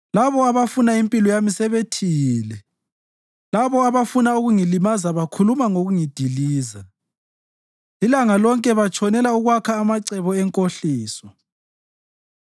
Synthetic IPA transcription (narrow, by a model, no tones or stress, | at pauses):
laβɔaβafunaimpʼilɔjamisɛβetʰiːlɛ | laβɔaβafunauɣuŋilimazaβakʰulumaŋoɣuŋid̥ʱiliːza | ilaŋalɔŋkʼɛβat͡ʃʰʼɔnɛlauɣwakʰaːmaǀɛβɔɛŋkʼoɬiːsɔ